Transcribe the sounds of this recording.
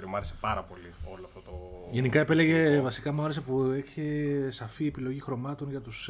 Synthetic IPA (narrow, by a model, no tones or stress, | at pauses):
ɾiomuɐɾesepɐɾɐpo̞lio̞loɐft̪ot̪oʝe̞nikɐe̞pe̞leʝe̞vɐsikɐmuɐɾes̬epueçesɐfiepilo̞ʝixɾo̞mɐt̪o̞nʝɐt̪us